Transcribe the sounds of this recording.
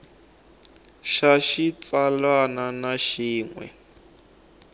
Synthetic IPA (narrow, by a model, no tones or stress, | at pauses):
ʃaʃit͡salwananaʃiːŋwɛ̰